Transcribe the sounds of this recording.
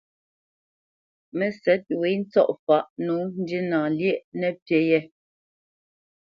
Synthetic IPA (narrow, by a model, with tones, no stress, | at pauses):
mɛ˨sɛ˨˦t̚we˨˦n̩˦t͡sɔ˦ʔfa˨˦ʔnuː˨˦n̩˦di˦nãː˨ljɛ˦ʔnɛ˨pjɛ˨˦jɛ˦